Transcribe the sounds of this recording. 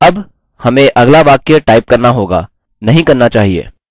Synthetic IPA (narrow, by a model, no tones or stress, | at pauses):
ɐb | hɐmẽʔɐɡlaʋaːqeaʈaːɪp̚kɐɾnaɦoːɡa̰ | nɐɦĩkɐɾnat͡ʃaːɦiḛː